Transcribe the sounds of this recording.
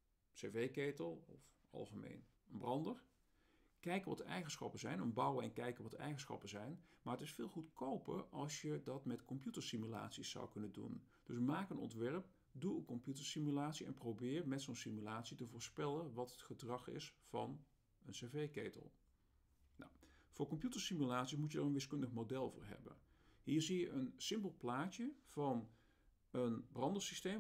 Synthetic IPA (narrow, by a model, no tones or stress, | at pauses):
sevejkejtəlˠɔf | ɑ̰lˠχəmḛjn | ənbrɑndəɹ | kɛjkəʋɑ̰tɛ̰jχənsχɑpənzɛjnənbɑwəɛnkɛjkəʋɑtɛ̰jχənsχɑ̰pəzɛjnmaːɹətɪsfɪːlˠχutkowpə̰ʔɑlˠsjədɑtmɛtkɔmpjutəɹsimyla̰ːtsisːa̰wkɵnəndṵn | d̥ɵsmaːkənɔ̰ntʋɛɹp̚ | duənkɔmpjutəɹsimylaːtsiɛ̰nprowbɪːɹmɛtsonsimylaːtsitəvʊːɹspɛlənʋɑtətχədrɑχɪ̰sfɑ̰n | ənsevejkejtə̰lˠ | na̰wv̥ʊːɹkɔmpjutəɹsimylaːtsismujədaːrənʋɪskɵndəχmodɛlˠvʊ̰ːɹɦɛ̰bə̰nɦiːɹzijəʔənsɪmpəlˠplaːcəv̥ɑn | ənbrɑndəsiste